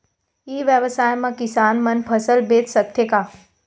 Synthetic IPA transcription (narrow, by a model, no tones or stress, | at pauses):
iːʋjəʋsaːjmãkɪsaːnmɐnpʰəsəlbeːt̪sək̚t̪ʰjekaː